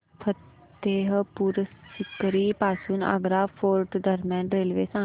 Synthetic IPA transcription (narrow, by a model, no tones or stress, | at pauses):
pʰət̪ː | eːɦpuɾsɪkəɾiːpaːsunə̰ɡɾaːfʰoːɾʈd̪əɾmãːɳʈɾeːlʋḛːsãː